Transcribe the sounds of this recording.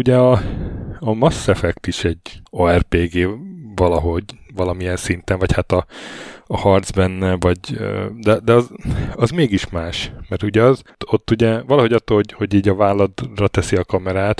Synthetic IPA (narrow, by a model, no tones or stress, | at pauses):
uɟɛɒ | ɒmɒsːɛfɛkt̪iʃɛɟːoɛrpeːɡeːvɒlɒɦo̞ɟvɒlɒmijɛnsint̪ɛɱvɒchat̪ɒː | hɒrd̪zbɛnːɛvɒɟø̰d̪ɛd̪ɛɒzɒzmeːɡiʃmaːʃmɛrt̪uɟɛɒzot̪ːuɟɛvɒlɒɦo̞ɟɒt̪ːoːlho̞ɟho̞ɟiːɟɒvaːlːɒd̪rɒt̪ɛsiɒkɒmɛɾaːt̪